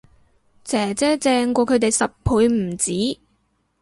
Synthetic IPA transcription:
t͡sɛː˨˩t͡sɛː˥t͡sɛː˧ŋkʷɔː˧kʰɵ˨˧ɥt̪e˨jsɐ˨p̚pʰuː˨˧jm̩˨˩t͡siː˨˥

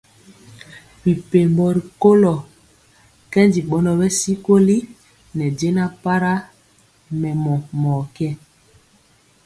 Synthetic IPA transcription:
wi˨pe˨mbɔ˨ɾi˨ko˦lɔ˨ | kɛ˦ndi˨ɓɔ˨nɔ˨bɛ˦si˦ko˦li˦ | nɛ˨d͡ʒe˦na˦pa˦ɾa˦ | mɛ˨mɔ˨mɔ˨kɛ˦

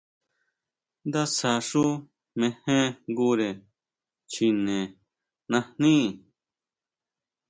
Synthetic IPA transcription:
nd̪a˦sa˨ʂu˦ | mẽ˧hẽ˦ŋɡu˦ɾe˨ | t͡ʃi˧nẽ˨ | nã˧n̥ĩ˦

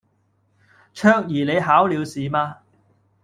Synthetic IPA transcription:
t͡ʃʰœː˥k̚jiː˨˩le˨˧jɦaː˨˥wliː˨˧wsiː˨˦maː˧

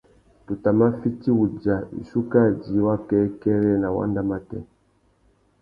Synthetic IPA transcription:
tu˨ta˨ma˦fi˦ti˦wu˨d͡ʒa˨ḭ˨su˦ka˦˨d͡ʒi˨˦wa˦kɛ˦kɛ˦ɾɛ˦˨na˨wa̰˦nda˦ma˦tɛ̰˦

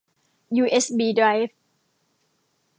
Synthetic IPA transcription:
juː˧ʔe˦˥sbiː˧˩dɾa˧jf

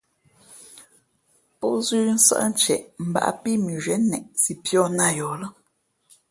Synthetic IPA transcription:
pɔ˦zʉː˦n̩˦sa̰˦ʔn̩˦t͡ʃɛ̰˨ʔm̩˨ba̰˨ʔa̰˦˨pi˦˨mi˨ʒɥɛ˨˦nɛ˨ʔsi˨pjɔ˦˨na˦jɔ˨lə˦

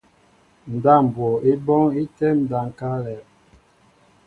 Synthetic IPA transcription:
n̩˨da˦˨m̩˨bwɔ˨i˦bɔ˦ŋi˦tɛ˦n̩˨da˨ŋ˨ka˦lɛ˨

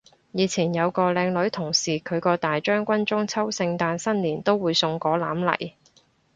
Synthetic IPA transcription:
jiː˨˧t͡sʰiː˨˩njɐ˨˧wkɔː˧lɛː˧ŋlɵ˨˥ɥt̪ʰʊ˨˩ŋsiː˨˩kʰɵ˨˧ɥkɔː˧t̪aː˨jt͡ʃœː˥ŋkʷɐ˥nt͡ʃʊ˥ŋt͡sʰɐ˥wsɪ˧ŋt̪aː˧nsɐ˥nliː˨˩nt̪o˥wwuː˨˧jsʊ˧ŋkɔː˨˥laː˨˥mlɐ̰˨˩j

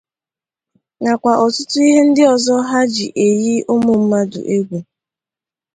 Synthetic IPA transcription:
ŋa˨kʷa˨ʔɔ˨tʊ˦tʊ˦i˦ɦe˦n̩˦dɪ˦ɔ˨zɔ˦ɦa˦d͡ʒi˨ʔe˨ji˦ʊ˦mʊ˨m̩˦ma˦dʊ̰˨ʔe˦ɡʷu˨

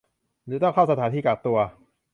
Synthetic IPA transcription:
nɯː˨˦t̪ɔ˥˩ŋkʰa˥˩wsa˧t̪ʰaː˩˦nt̪ʰiː˧˩kaː˨˩k̚t̪u˧ɐ

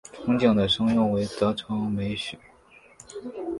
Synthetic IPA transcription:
ʈ͡ʂʰʊ˧˥ŋt͡ɕjɑ˨˩ŋd̪ə˩ʂɤ˥ŋjʊ˥˩ŋwe˧˥ɪt̪ɤ˧˥ʈ͡ʂʰɑ˧˥ŋme˧˥ɪɕy˨˩˦

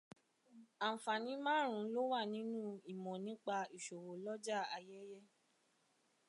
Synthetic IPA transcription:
a˨fa˨nĩ˨˦mãː˦ɾ̃ũ˨˦lo˦wa˦˨nĩ˨˦nũ˦i˨mɔ̃˨nĩ˨˦k͡pa˧i˨ʃo˨wo˨lɔ˦d͡ʒa˦˨a˧jɛ˦jɛ˦

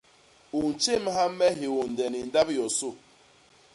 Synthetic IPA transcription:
u˨n̩˨t͡ʃe˦˨m˦ɦa˦mɛ˦ɦi˨wu˨n̩˨dɛ˨ni˨n̩˨˦da˦bjɔ˨sʊ˦˨

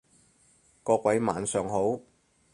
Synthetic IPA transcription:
kɔː˧kwɐ˨˥jma̰ː˨nsœː˨ŋho˨˥w

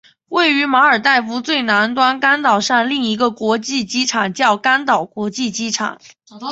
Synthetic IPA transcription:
we˥˩ɪy˧˥ma˧˥ə˞˨˩t̪a˥˩ɪfu˧˥t͡swe˥˩ɪna˧˥nt̪wa˥nka˥nt̪ɑ˨˩ʊʂa˥˧ŋli˥˩ŋi˧˥ɡə˧kwɔ˧˥t͡ɕi˥˩t͡ɕi˥ʈ͡ʂʰɑ˨˩ŋt͡ɕjɑ˥˩ʊka˥nt̪ɑ˨˩ʊkwɔ˧˥t͡ɕi˥˩t͡ɕi˥ʈ͡ʂʰɑ̰˨˩˦ŋ

